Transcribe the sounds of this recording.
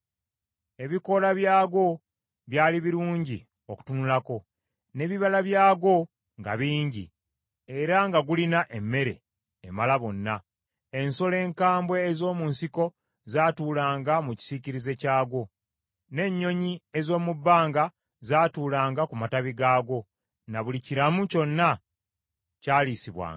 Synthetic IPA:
e̞βiko̞laβjaːɡo̞ | βjaːliβiɾuːɲɟi | oku̥tunulako̞ | ne̞βiβalaβjaːɡo̞ | ŋɡa̰βiːɲɟḭ | e̞ɾaŋɡaɡulinaʔemːe̞ɾe̞̰ː | malaβo̞nːa | e̞nso̞le̞ːŋkaːmbwe̞ːzo̞ːmunsiko̞ | zaːtuːlaːŋɡamuci̥siciɾize̞caːɡo̞ | ne̞ɲːo̞ɲie̞zo̞ːmubːaːŋɡa | zaːtuːlaːŋɡakumataβiɡaːɡo̞ | naβuliciɾamuco̞nːa | caːliːsiβwa̰ːŋɡa

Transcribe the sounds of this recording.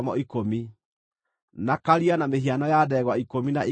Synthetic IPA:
mɔikomi | nakaɾianameɦianɔjadɛːɣwaikominaʔi

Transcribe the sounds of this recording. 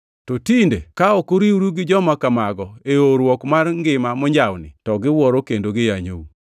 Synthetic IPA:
totindekaɔkoɾiwɾuɡɪd͡ʒɔmakamaɡɔeoɾwɔkmarŋɡɪmamɔɲd͡ʒawnɪ̰tɔɡɪwɔɾokendoɡɪjaɲo̰u

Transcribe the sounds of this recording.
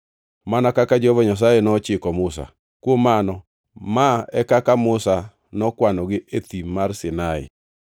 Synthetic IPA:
manakakad͡ʒɔvɔɲas̬ajenɔt͡ʃɪkɔmʊsa̰ | kwomanɔ | maɛkakamʊsa | nɔkwanɔɡɪʔet̪imarsɪnaɪ̰

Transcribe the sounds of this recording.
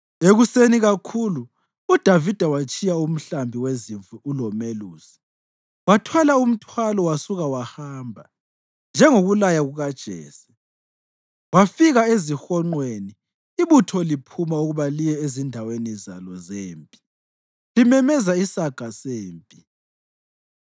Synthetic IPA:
eɣuseniɣakʰulu | ud̥ʱavid̥ʱawat͡ʃʼijaum̩ɬambʱiweziɱvuulɔmeluːsi̥ | watʰwalaum̩tʰwalɔwasuɣawahaːmbʱa | nd͡ʒʱɛŋoɣulajaɣuɣad̥ʒ̥ʱḛːsi̥ | wafiɣaezixɔŋ͡ǃweniː | βutʰɔlipʰumauɣuβalijɛezindʱaweniza̰lɔzeːmpʼi̥ | limɛmɛzaisaɡ̥ʱaseːmpʼi

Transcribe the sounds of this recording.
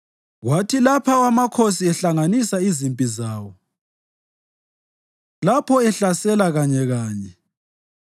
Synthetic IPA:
ɣwatʰilapʰawamakʰosiɛɬaŋanisaizimpʼizaːwɔ | lapʰɔɛɬasɛlaɣaɲɛɣaːɲɛ

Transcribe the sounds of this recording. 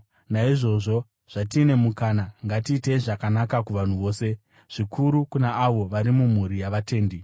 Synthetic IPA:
naiʐo̞ʐo̞ | ʐ̥at̬ine̞mukaːnaŋɡatiːte̞iʐakanakakuʋan̤uʋo̞ːse̞ | ʐ̥ikʰuɾukuneʔaʋo̞ʋaɾimum̤uɾijaʋate̞ːndi

